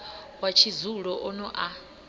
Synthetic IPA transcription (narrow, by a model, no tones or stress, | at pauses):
wat͡ʃʰizuɺɔʔɔnɔʔa